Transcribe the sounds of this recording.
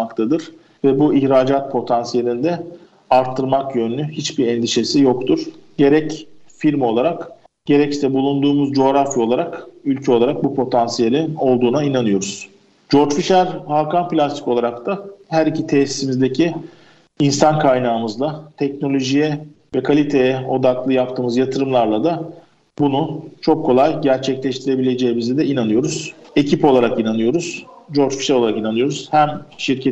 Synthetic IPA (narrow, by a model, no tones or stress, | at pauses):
makt̪ʰad̪ɯɾ̥ | vɛbuiçɾaːd͡ʒat̪̚pʰo̞t̪ʰansije̞lʲind̪ɛ | aɾt̪ʰːɯɾmakjønynʲyhit͡ʃbiɾɛnd̪iʃe̞sijo̞kt̪ʰuɾ̥ɟe̞ɾɛcfiɾmo̞lˠaɾak | ɟ̥e̞ɾɛcsi̥sɛbulˠund̪uːmuzd͡ʒo̞ɾafjo̞lˠaɾakylʲcʰɛo̞lˠaɾak̚bupʰo̞t̪ʰansije̞lʲino̞lˠd̪uːnainanɯjo̞ɾuz̥ | d͡ʒo̞ɾd͡ʒfiʃæɾhalˠkanplʲast̪i̥ko̞lˠaɾakt̪ʰaɦæɾicit̪ʰeːsi̥simizd̪e̞cʰi | insankʰajnaːɯmɯzlˠat̪ʰɛcno̞lʲo̞ʒijɛ | vɛkʰalʲit̪ʰe̞jɛo̞d̪aklˠɯjapt̪ʰɯːmɯzjat̪ʰɯɾɯmlˠaɾlˠad̪a | bunut͡ʃʰokʰːo̞lˠajɟæɾt͡ʃʰɛclʲɛʃt̪ʰiɾe̞bilʲe̞d͡ʒe̞jːimizɛd̪ɛinanɯjo̞ɾuz̥ | e̞cʰipo̞lˠaɾakinanɯjo̞ɾuz̥d͡ʒo̞ɾd͡ʒfi̥ʃɛɾo̞lˠaɾakinanɯjo̞ɾuz̥hæmʃiɾcʰɛ